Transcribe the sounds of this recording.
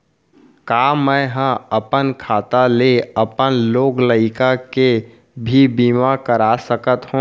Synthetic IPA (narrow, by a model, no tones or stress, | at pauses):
kaːmə̃ɦə̃əpənkʰaːt̪aleəpənloːɡləɪkake | bʱibiːmakəɾasəkət̪hũ